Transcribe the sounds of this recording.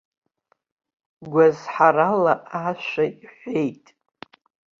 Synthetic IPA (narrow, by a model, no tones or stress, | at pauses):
ɡʷazħaralaʔaʃʷaiħʷe̞jtʼ